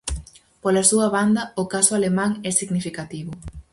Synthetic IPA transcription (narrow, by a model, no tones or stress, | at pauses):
polasuɐβand̪ɐokasʊalemaŋɛsiɡnifikat̪iβʊ